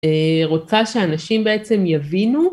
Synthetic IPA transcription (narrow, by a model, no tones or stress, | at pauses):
eʁot͡saʃeanaʃimbeʔet͡se̞mjavinu